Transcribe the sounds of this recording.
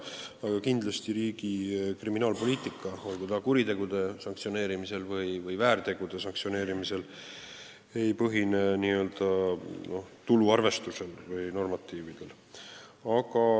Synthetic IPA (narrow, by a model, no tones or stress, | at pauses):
ɑɡ̥ɑkind̪lɑst̪iɾiːɡ̥ikriminɑːlpo̞liːt̪ˑikːˑɑo̞lɡ̥ut̪ɑkuɾit̪e̞ɡ̥ud̪̥e̞sɑŋkt̪sio̞ne̞ːɾimise̞lvɯjvɯjvæːɾt̪e̞ɡ̥ud̪̥e̞sɑŋk̚sio̞ne̞ːɾimise̞l | e̞jpɤɦineniːø̞ld̪ɑno̞ht̪uluɑrve̞st̪use̞lvɯjno̞rmɑt̪ːˑiːvid̪̥e̞l | ɑkɑ